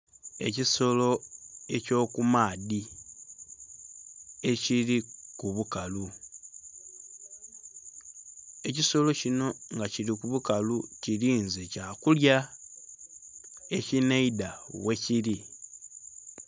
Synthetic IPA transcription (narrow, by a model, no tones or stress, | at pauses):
e̞̰ciso̞lo̞e̞co̞ːkumaːdi | e̞ciɾikuβukalu | e̞ciso̞lo̞cino̞ŋɡaciɾikuβukaluciɾiːnzecakulja | e̞cineidawe̞ciɾi